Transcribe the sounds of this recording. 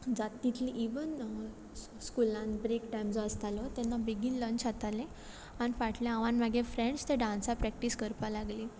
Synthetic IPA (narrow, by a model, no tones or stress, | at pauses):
d͡zat̪ːit̪liʔiʋən | skulãnbɾekʈajmd͡zɔəst̪alɔt̪ɛnːabeɡiːlːəɲt͡ɕat̪alẽ | anifaʈʰljãaʋãnʋaɡefɾẽɳɖst̪eɖãnsapɾɛkʈiskəɾpalaɡli